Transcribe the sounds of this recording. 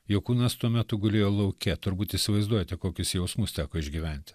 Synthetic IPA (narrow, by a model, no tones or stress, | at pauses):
joːkuːnɐst̪uɔmʲæt̪ʊɡʊlʲeːjoːlˠɐʊkʲɛt̪ʊɾbuːt̪ɪsʲɪʋɐɪzd̪uɔjɛt̪ʲɛkoːkʲʊsjɛʊsmust̪ʲæːkoːɪʒʲɡʲiːʋʲænʲt̪ʲɪ